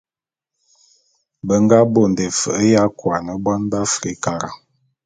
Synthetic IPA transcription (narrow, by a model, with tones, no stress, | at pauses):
bə˦ŋ˦ɡa˦bo˨n˨de˨fə˨ʔə˦ja˦kwa˨nə˨bwa˦nba˦fɾi˦ka˨ɾa˨